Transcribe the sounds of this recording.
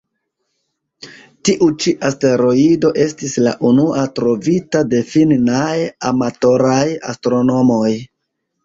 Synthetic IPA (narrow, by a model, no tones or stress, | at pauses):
tiʔut͡ʃiʔaste̞ɾo̞ido̞ʔe̞stisla̰ʔunuʔatɾo̞vitade̞finnajamato̞ɾaja̰stɾo̞no̞mo̞j